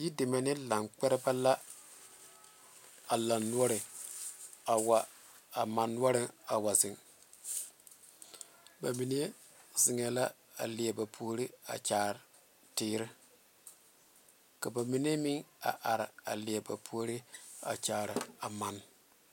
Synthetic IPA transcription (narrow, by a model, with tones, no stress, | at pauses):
ji˦dɪ˨ma˨nɪ˦la˨ŋk͡pɛ˦ɾɪ˦ba˦la˦ | a˨la˨nːu˦ɔ˦ɾɪ˨ | a˨wa˨ | a˨ma˨nːu˦ɔ˦ɾɪ˦a˨wa˨zɪ˨ŋ | ba˨mi˨n˦e˦ | zɪ˨ŋɛ˨la˦ | a̰˨lɪ˨a˨ba˨pʰuː˨˦ɾɪ˦a̰˨t͡ʃaː˨ɾɪ˨ | tɪː˦ɾɪ˦ | ka˨ba˨mi˦n˦e˦mi˦ŋa̰˨ʔa˨ɾɪ˨a̰˨lɪ˨a˨ba̰˨pʰu˦o˦ɾɪ˦a̰˨t͡ʃaː˨ɾɪ˨a˨ma˨n